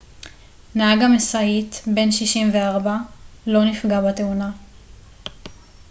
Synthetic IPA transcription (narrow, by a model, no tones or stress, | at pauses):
naaɡamesaitbe̞nʃiʃimveaʁbalo̞nifɡabateuna